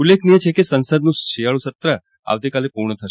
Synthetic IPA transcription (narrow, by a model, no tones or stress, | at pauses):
ulːekʰnijet͡ʃʰekesənsəd̪nũʃijaɭũsət̪ɾə | a̰ʋt̪ikalepuɾɳət̪ʰəʃ